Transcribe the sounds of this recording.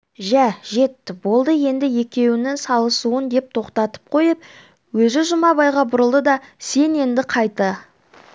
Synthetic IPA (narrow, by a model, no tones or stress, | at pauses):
ʒæʒe̞t̪ːɪbo̞lˠd̪əje̞nd̪ɪje̞kʲe̞wɪnɪŋsɑlˠəsuənd̪e̞p̚t̪ʰo̞qt̪ɑt̪ə̥p̚qʰo̞jəp̚ | wɵzɪʒʊmɑbɑjʁɑbʊɾəlˠd̪əd̪ɑse̞ne̞nd̪ɪqʰɑjt̪ə